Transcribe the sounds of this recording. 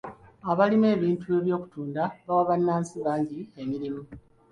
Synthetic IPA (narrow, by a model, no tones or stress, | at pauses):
aβalime̞ːβiːntue̞βjo̞ːku̥tuːndaβawaβanːaːnsiβaːɲɟiemiɾimu